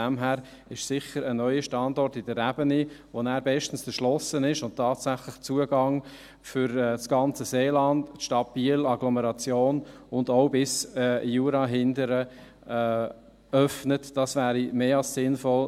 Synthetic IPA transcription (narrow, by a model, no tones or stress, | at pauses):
æmɦæːɾ | ɪʃsɪχəɾənœʏəʃtɑndɔɾtɪdərːæb̥ənivonæːɾbɛʃtən̩səʃlɔsənɪʃʊnttʰːɑːtsæχlɪχt͡suəɡɑŋ | fʏɾɛsɡ̥ɑnt͡səseːlɑndʃtɑb̥iːlɑɡlɔməɾɑt͡sjoːnʊndoʊbɪsjuːɾɑɦɪndəɾəː | œfnətd̥ɑsvæːɾimeːɑlssɪnfɔl